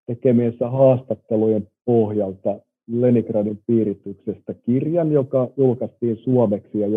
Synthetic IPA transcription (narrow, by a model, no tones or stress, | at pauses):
t̪ekemiesːæhɑːst̪ɑt̪ːelujempohjɑlt̪ɑ | lenikrɑnimpiːrit̪yksest̪ɑkirjɑnjokɑjulkɑst̪iːnsuomeksiɑj